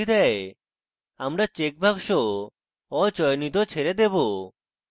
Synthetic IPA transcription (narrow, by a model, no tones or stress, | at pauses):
id̪ɛe | amɾat͡ɕek̚bʱakʃo | ɔt͡ɕɔjnit̪̬ot͡ɕʰeɾed̪ebo